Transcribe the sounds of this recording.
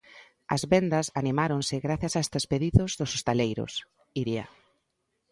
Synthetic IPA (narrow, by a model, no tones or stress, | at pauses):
ɐ̰zβɛnd̪ɐsanimaɾoŋsɪɣɾaθjɐsast̪espeðiðʊzðʊsost̪alejɾʊ̰s | iɾia̰